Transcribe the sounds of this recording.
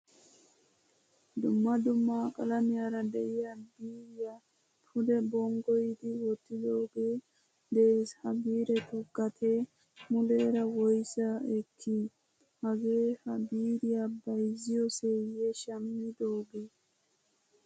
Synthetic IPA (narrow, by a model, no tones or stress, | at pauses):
d̪ʊmːɐd̪ʊmːaːkʼɐlɐmɪjaːɾɐd̪ɛʔɪjabiːɾɪja | pʰʊd̪ɛbɔŋɡɔjɪd̪ɪwɔt̪ːɪd̪o̞ːɡeː | d̪eshɐbiːɾɛt̪ʊɡɐt̪ʰe | mʊleːɾɐwɔjsɐɛkʰːi | hɐɡeːhɐbiːɾɪjabɐjzɪjɔsejɛʃɐmːɪd̪o̞ːɡeː